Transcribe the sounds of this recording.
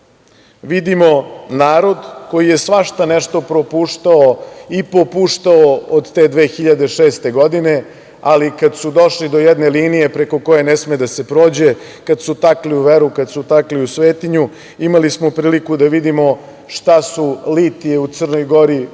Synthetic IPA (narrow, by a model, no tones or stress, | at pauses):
ʋid̪imo̞naːɾo̞d̪ko̞jije̞sʋaʃt̪anɛʃt̪o̞pɾo̞puːʂt̪aoipo̞puːʃt̪aood̪t̪e̞ːd̪ʋe̞ːxiʎad̪e̞ʃeːst̪e̞ɡo̞d̪ine̞ | alikad̪sud̪o̞ʃlid̪o̞jɛd̪ne̞liːnije̞pɾe̞ko̞ko̞je̞nesmed̪ase̞pɾo̞ːd͡ʑe̞ | kad̪sut̪akliuʋeɾukad̪sut̪akliusʋeːt̪iɲu | imalismopɾiːlikud̪aʋid̪imo | ʃt̪asulit̪ieut̪sərno̞jɡo̞ɾi